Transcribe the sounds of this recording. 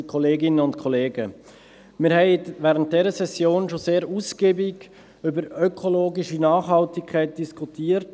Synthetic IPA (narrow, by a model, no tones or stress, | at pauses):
kʰɔleːɡɪnəʊntkʰɔleːɡə | mɪɾhɛɪvɛːɾənt̚d̥ɛɾəsɛsjoːnʃoseːɾuːsɡ̥eːbɪɡ | ʏbəɾœkʰoloːɡiʃinɑːχhɑltɪkkʰːaɪt̚d̥iskʰutiːəɾt